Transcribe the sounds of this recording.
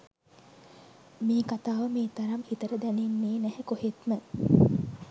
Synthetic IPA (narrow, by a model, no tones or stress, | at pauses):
miːkat̪aːʋəmeːt̪aɾamhit̪əɾəd̪ænenːeːnæhekohet̪mə